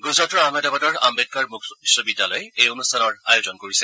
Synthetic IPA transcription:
ɡuzɹatɔɹamɛdabadɔɹa̰mbed̚kaɹmukʰsobidʱːalojejonustʰanɔɹajozɔnkoɹisɛ

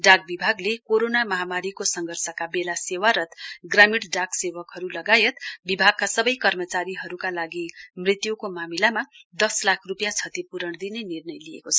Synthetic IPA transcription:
ɖak̚bibʱaɡlekoɾonamʌɦamaɾikosʌŋɡʱʌrsʌkabelasewaɾʌt̪ɡramiɽɖaksewʌkɦʌɾulʌɡajet̪bibʱaɡ̚kasʌbʌjkʌrmʌt͡saɾiɦʌɾukalaɡimrit̪jukomamilamad̪ʌslakʰrupjat͡sʰʌt̪ipuɾʌɳd̪inenirnʌjliḛkot͡sʰʌ

